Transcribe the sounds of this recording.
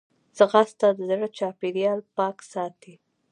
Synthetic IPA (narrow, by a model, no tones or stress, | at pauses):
z̥əɣast̪ad̪əzɽət͡ʃɑpeɾijɑlpɑksɑt̪i